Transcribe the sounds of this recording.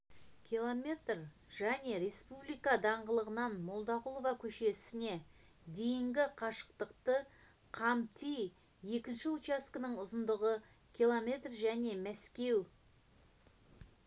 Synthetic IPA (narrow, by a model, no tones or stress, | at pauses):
kʲʰilˠomʲe̞t̪r | ʒ̥æne̞ɾe̞spublijkɑd̪ɑɴʁəlˠəʁənɑnmo̞lˠd̪ɑʁʊlˠovɑkʲʰɵʃe̞sɪne̞ | d̪e̞jɪŋɡʲɪqʰɑʃə̥q̚t̪əqt̪ə | qʰɑmt̪ʰij | je̞kʲɪnʃɪut͡ʃɑskənəɴʊzənd̪əʁə | kʲʰilˠomʲe̞t̪rʒæne̞mæskʲe̞w